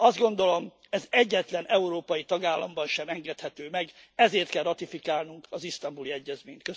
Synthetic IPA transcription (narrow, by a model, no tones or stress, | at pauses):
ɒzd̪ɡo̞nd̪o̞lo̞m | ɛzɛɟːɛt̪lɛnʔɛuɾoːpɒjit̪ɒɡaːlːɒmbɒnʃɛmɛŋɡɛt̪hɛt̪øːmɛɡɛzeːrt̪kɛlrɒt̪ifikaːlnuŋkɒzist̪ɒmbuliɛɟːɛzmeːɲt̪kø